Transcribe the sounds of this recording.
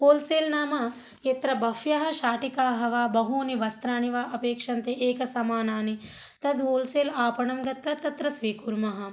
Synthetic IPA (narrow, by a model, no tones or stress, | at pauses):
oːlseːlnaːmɐ | jet̪ɾɐbɐfjɐɦɐ̆ʃaːʈikaːɦɐʋaːbɐɦuːniʋɐst̪ɾaːniʋaːʔɐpeːkʂɐnt̪eʔeːkɐsɐmaːnaːnit̪ɐd̪oːlseːlaːpɐɳɐmɡɐt̪ʋɐt̪ɐt̪ɾɐsʋiːkuɾmɐɦɐ̆